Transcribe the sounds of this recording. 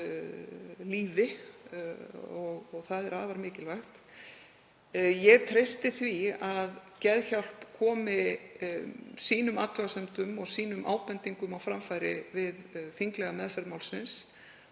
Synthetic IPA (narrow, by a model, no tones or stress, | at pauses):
liːvɪ | ɔɣɔɣθaðɛɾaːðvaɾmɪːcɪlvaxt̪ | jɛɣt̪ʰɾejst̪ɪθviaðcɛðçawl̥pkʰɔːmɪ | siːnʏmaːt̪ʰœɣasɛmt̪ʏmɔɣsiːnʏmʔa̰ːwpɛnt̪iŋkʏmawfɾamfajɾɪ̰vɪðθiŋklɛɣamɛðfɛɾmawlsɪns